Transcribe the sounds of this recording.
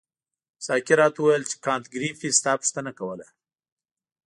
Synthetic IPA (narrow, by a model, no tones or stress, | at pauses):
sɑkɪɾɑt̪uwajəlt͡ʃe̥kɑnt̪ɡɾifist̪ɑpʊ̥ʃt̪ənakawəla